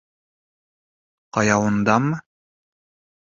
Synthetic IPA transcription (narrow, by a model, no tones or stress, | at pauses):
qɑjɑwɤ̆nd̪ɑm